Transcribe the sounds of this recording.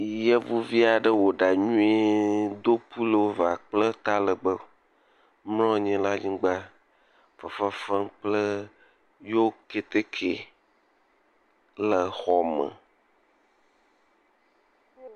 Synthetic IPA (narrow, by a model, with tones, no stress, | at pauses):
je˦vu˦vi˦a˨ɖə˦wo˨ɖa˨ɲũ˦e˦d̪o˦pu˦lə˨wo˦va˨k͡plə˦t̪a˦lə˨ɡ͡bə˦ | ml̃ɔ̃˦˨ɲɛ̃˦la˦ɲĩ˦ɡ͡ba˦ | fə˨fa˦fə˦k͡plə˦ | jo˦ke˨t̪e˦kʰe˨ | lə˨xɔ˨mə̰̃˨